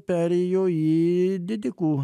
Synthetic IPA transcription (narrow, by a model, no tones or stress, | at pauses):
pɛɾijojid̪id̪iku